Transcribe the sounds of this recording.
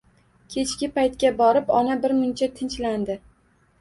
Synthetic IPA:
kʲʰe̞t͡ʃkʲɪpajt̪kʲabɒɾɪpɒnabɪɾmʊnt͡ʃʰat̪ʰɪnt͡ʃland̪ɪ

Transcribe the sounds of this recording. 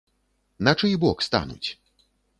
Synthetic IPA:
nat͡ʂɨjbɔkst̪a̰nṵt͡sʲ

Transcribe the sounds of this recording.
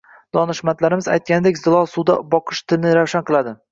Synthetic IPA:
d̪̥ɒnɪʃmant̪laɾɪmɪza̰jt̪̚kʲanɪd̪ekʲzɪlˠɒlˠsud̪abɒqʰɨʃt̪ʰɪlnɪɾawʃanqʰɨlˠad̪ɪ

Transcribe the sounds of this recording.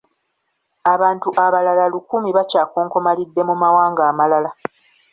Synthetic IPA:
aβaːntuʔaβalalalukumiβacaːkoːŋko̞malidːe̞mumawaːŋɡaːmalala

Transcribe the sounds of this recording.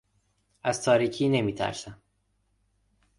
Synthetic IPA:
æz̥t̪ʰɒːɾiːcʰiːne̞miːt̪ʰæ̰ɾsæm

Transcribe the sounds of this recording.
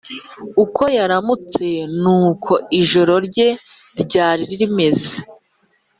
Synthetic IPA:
ukʰo̞jaɾamut͡se̞nuːkʰo̞ʔiʒo̞ɾo̞ɾɟe̞ɾɟaːɾiɾiɾime̞ze

